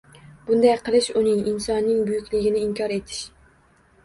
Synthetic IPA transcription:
b̥ʊnd̪ɑjqʰɨlˠɪʃʊnɪŋinsɒnːɪŋbʊjykʲlɪɡʲɪnɪɪmkʲʰɒɾet̪ʰɪ̥ʃ

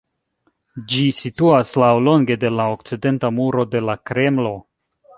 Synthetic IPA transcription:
d͡ʒisituaslawlo̞ŋɡe̞de̞laok̚t͡side̞ntamuɾo̞de̞lakɾe̞mlo̞

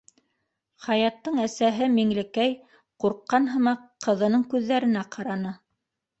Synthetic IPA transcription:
χɑjɑt̪ːɤɴæsæɦɘmiŋlɘ̆kæj | quɾqːɑnɦɤ̆mɑqʰːɤ̆ðɤ̆nɤɴkʉðːæɾɘ̆næqɑɾɑnɤ

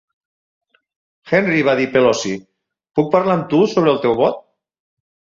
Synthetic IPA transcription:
xɛnriβaðipelɔsi | puk̚pəɾlaəmt̪usoβəlˠt̪ɛwβɔt̪̚

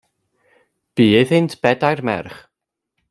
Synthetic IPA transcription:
b̥iːɪðɪntʰb̥ɛdajrmɛ̰rχ

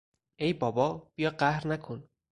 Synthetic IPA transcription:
ejbɔbɔb̥ijɔqahɾnakʰun

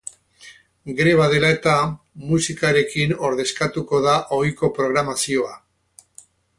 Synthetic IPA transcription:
ɡeɾe̞β̞aðe̞lae̞t̪a | musikaɾe̞kino̞ɾðe̞skat̪uko̞ðaʔo̞jko̞pɾo̞ɣ̞ɾamasio̞a

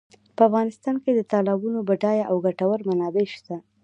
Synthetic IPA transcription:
pəafɣɑnɪst̪ɑnked̪ət̪ɑlabunobaʈɑjaʔawɡaʈawəɾmanɑbeʃt̪a

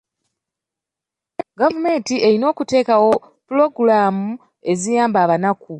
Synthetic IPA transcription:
ɡavume̞ːntiʔe̞ɾino̞ːkute̞ːkawo̞ | pulo̞ɡulaːmu | e̞zijaːmbaːβanaku

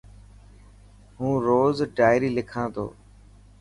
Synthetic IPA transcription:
ɦũːɾoːzɖaːɪɾiːlɪkʰãːt̪o̰ː

